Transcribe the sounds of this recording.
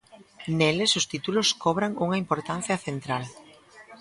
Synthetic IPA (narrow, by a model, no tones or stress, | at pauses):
nelɪsʊst̪it̪ulʊskɔβ̞ɾaŋuŋɐimpoɾt̪an̟θjɐθent̪ɾal